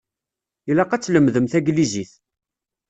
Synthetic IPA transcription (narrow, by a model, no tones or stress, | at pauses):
ilæqæt͡sːləmðəmθæɡliziθ